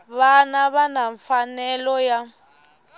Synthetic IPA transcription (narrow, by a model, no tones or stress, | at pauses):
βanaβanaɱfanɛlɔja